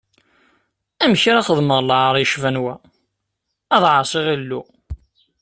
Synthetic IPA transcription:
æmçɾæχəðməðˤləʕɾˤjʃvænwæ | ðˤʕɑsˤiʁilːu

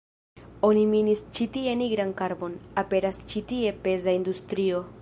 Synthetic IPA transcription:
o̞niminist͡ʃitie̞niɡɾankaɾbo̞nape̞ɾast͡ʃitie̞pe̞zaind̪ust̪ɾio̞

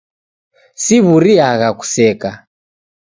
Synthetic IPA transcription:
siβuɾiaɣaku̥sɛka

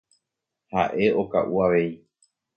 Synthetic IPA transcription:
ha̰ʔe̞o̞ka̰ʔuaʋe̞i

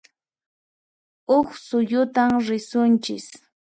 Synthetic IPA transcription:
ʊχsʊjʊt̪amɾɪsʊnt͡ʃɪs

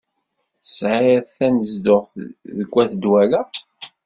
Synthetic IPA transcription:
θəsʕɪθænəzd̪ʊʁðəɡʷːæθəd̪wælæ

